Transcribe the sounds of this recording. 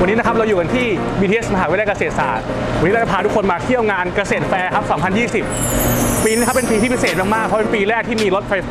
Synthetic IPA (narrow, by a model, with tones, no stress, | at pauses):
wa˧nːiː˦˥na˦˥kʰp̚ɾa˧wjuː˨˩ka˧nt̪ʰiː˥˩ | biː˧t̪ʰiː˧ʔe˦˥smaː˧ɦaː˨˩wla˥˩ka˧seː˨˩t̪̚sa̰ː˩˦t̪̚ | wa˧nːi˦˥ɾa˧˩t͡ɕa˧˩pʰaː˧˩t̪u˦˥kʰo˧nmaː˧t̪ʰi˥˩əwŋaː˧nka˧seː˨˩t̪̚fɛː˧kʰa˦˥p̚sɔː˩˦mpʰa˧njiː˥˩si˨˩p̚piː˧i˦˥˧kʰpe˧npiː˧t̪ʰiː˥˩pʰseː˨˩t̪̚maː˧k̚maː˥˩k̚pʰɔ˦˥pe˧npiː˧lɛː˥˩k̚t̪ʰiː˥˩miː˧lo˦t̪̚fʰa˧j